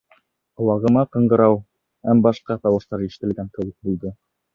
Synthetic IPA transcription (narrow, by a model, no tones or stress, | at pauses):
ŏw̪ˠɑʁɤ̆mɑqɤ̆ɴɢɤ̆ɾɑw | hæmbɑʃqɑt̪ɑwɤ̆ʃt̪ɑɾiʃɘ̥̆t̪ɘ̆lɡæŋkɘ̆wɘk̚bulˠd̪ɤ